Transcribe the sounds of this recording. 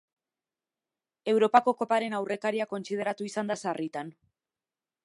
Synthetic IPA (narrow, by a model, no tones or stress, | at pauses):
e̞wɾo̞pako̞ko̞paɾe̞nawrʔe̞kaɾiako̞nsið̞e̞ɾat̪uisand̪asarit̪an